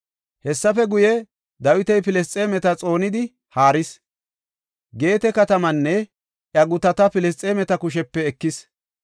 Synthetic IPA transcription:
hɛsːɐfɛɡʊjɛ | d̪ɐwɪt̪ɛjpɪlɛs̬t͡sʼeːmɛt̪ɐt͡sʼo̞ːnɪd̪ɪ | haːɾɪs | ɡe̞ːt̪ɛkɐt̪ɐmɐnːɛ | ʔjɐɡʊt̪ɐt̪ɐpɪlɛs̬t͡sʼeːmɛt̪ɐkʊʃɛpːɛːkːɪs

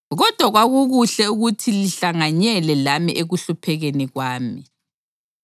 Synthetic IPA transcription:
ɣɔd̥ʱwaɣwaɣuɣuɬɛuɣutʰiliɬaŋaɲɛlɛlamḭʔeɣuɬupʰɛɣɛnɛɣwaːmi

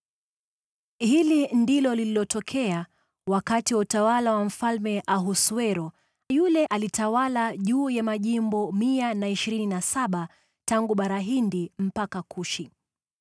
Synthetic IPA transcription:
hilindilɔlililɔtɔkʰɛa | wakatiwautawalawam̩falmɛʔaɦuswɛɾɔ | julɛʔalitawalaʄuːjamaʄimbɔmianaiʃiɾininasaɓa | taŋɡuɓaɾaɦindim̩pakakʰuʃi

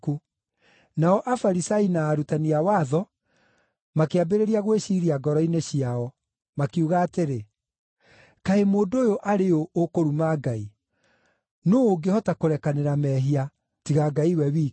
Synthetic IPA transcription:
ku | naɔʔafaɾisainaːɾutaniawaːðɔ | makeabeɾeɾiaɣweɕiːɾiaɡɔɾɔineɕiaɔ | makiuɣaːteɾe | kaemoːndoːjoʔaɾeoʔokoɾumaɡai | noːɡehɔtakoɾɛkaneɾamɛɦia | tiɣaɡaiwɛβiː

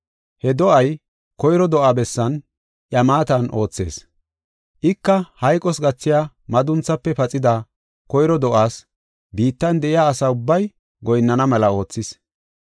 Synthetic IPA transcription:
hɛd̪ɔʔɐj | kɔjɾɔd̪ɔʔaːbɛsːɐn | ʔjɐmaːt̪ɐnʔo̞ːt͡sːe̞̰ːs | ʔɪkːɐhɐjkʼɔsɡɐt͡sːɪjaː | mɐd̪ʊnt͡sːɐpːɛpɐt͡sʼɪd̪ɐ | kɔjɾɔd̪ɔʔaːs | biːt̪ːɐnd̪ɛʔɪjaːsɐʊbːɐj | ɡɔjnːɐnɐmɛlɐo̞ːt͡sːɪs

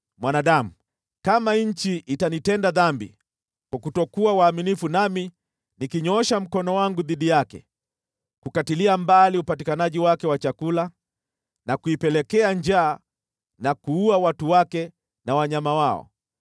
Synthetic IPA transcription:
mwanaɗamu | kamaɲ̩t͡ʃiʔːtanitɛndaðambḭ | kwakutɔkuawaːminifunami | nikiɲɔʃam̩kɔnɔwaŋɡuðiɗijakɛ̰ | kukatiliambaliupatikanaʄiwakɛwat͡ʃakula | nakuipɛlɛkɛaɲd͡ʒaː | nakuuawatuwakɛ | nawaɲamawaɔ̰

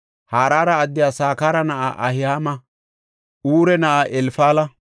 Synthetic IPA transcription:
haːɾaːɾɐːd̪ːɪjaːsaːkaːɾɐnɐʔa̰ʔɐhɪhaːmɐ | ʔuːɾɛnɐʔaʔɛlfaːlɐ

